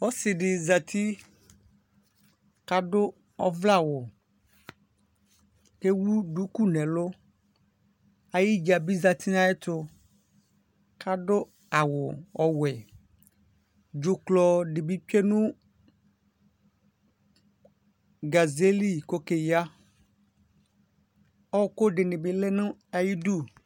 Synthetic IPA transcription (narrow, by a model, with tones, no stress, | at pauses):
ɔ˦sɪ˨ɖɪ˨za˨t̪ʰi˦ | ka˨ɖʊ˦ | ɔ˦vla˦˨wʊ˨ | ke˦wu˦ɖu˨˦ku˦nɛ̃˨lʊ˦ | a˨ji˦d͡ʒa˨bi˦za˨t̪ʰi˦nã˦ɛ˦t̪ʊ˦ | kʰa˦˨ɖʊ˦ | a˨wʊ˨ɔ˨wɛ˨ | d͡ʒʊ˨klɔ˦ɖɪ˨bi˦pe˦nũ˦ | ɡa˨ze˦li˦ko˦ke˨ja˦ | ɔ˦˨kʊ˦ɖɪ˨nɪ̃˨bɪ˨le˦nʊ̃˦a˨ji˦du˦˨